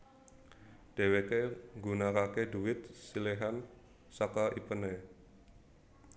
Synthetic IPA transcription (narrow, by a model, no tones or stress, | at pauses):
d̥e̤wekeŋɡunakakeduɪt̪̚sileɦan | sakaʔipəne